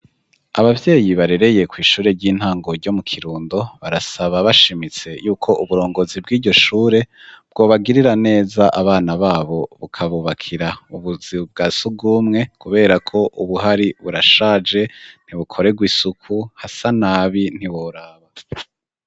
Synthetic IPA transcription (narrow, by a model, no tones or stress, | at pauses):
aβavje̞ːjiβaɾe̞ɾe̞je̞kwiːʃuːɾe̞ɾɟiːn̥haːŋɡo̞ɾɟo̞mukʰiɾuːndo̞βaɾasaβaβaʃimit͡se̞juːkʰo̞ʔuβuɾo̞ːŋɡo̞zib̚ɡiːɟo̞ʃuːɾe̞bɡo̞ːβaɡiɾiɾane̞ːzaʔaβaːnaβaːβo̞βṵkʰaβuːβakʰiɾauβuziβub̚ɡaːsuɡuːmŋe̞kuβe̞ːɾakʰo̞ʔuβuɦaɾiβuɾaʃaːd͡ʒe̞n̥iβukʰo̞ɾe̞ɡwisukʰuhasanaːβin̥hiβoɾaːβa